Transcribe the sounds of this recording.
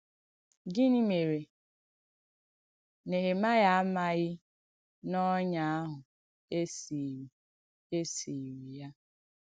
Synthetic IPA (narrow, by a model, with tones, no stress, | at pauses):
ɡɪ˦ni˦me˨ɾe˨ | ne˨ɦe˨ma˦ɣa˦a˦ma˦ɣɪ˦ | nɔ˦ɲa˦a˦ɦʊ˨ | e˦s | e˦si˨ɾi˨ja˦